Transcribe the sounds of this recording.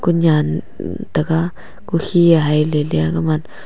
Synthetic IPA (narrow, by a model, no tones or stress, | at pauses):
kuɲan | t̪aka | kuhiaɦajleljakaman